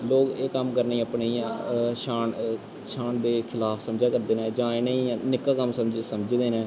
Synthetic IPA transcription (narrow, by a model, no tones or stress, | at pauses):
loːkeːkəmkəɾneːəpɳĩːʃaːn | ʃʰaːɳd̪eːkʰɪlaːpʰsəmd͡ʒaːkəɾd̪eːnẽːd͡ʒãːɪneĩːnɪkːaːkəmsəd͡ʒsəmd͡ʒd̪eːnẽː